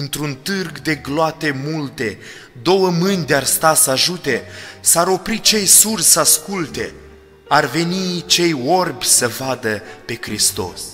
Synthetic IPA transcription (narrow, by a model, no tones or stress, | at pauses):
ɨnt̪ɾunt̪ɨrɡd̪e̞ɡloat̪e̞mult̪e̞ | d̪o̞wəmɨnʲd̪earst̪asəaʒut̪e̞saɾo̞pɾit͡ʃe̞jsursəaskult̪e̞̰ | arve̞nit͡ʃe̞jo̞rbʲsəvad̪əpe̞kɾist̪o̞̰s